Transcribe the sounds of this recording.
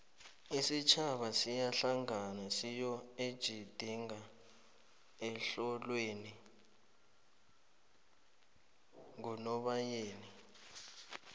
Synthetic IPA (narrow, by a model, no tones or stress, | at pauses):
isit͡ʃʰaɓasijaɬaŋanasijɔed̥ʒ̥ʱid̥ʱiŋa | ɛɬɔlweni | ŋunɔɓajeːni